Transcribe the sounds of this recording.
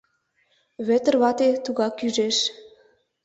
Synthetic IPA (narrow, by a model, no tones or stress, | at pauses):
βø̆t̪ə̆rβɑt̪et̪uɣɑkjyʒeʃ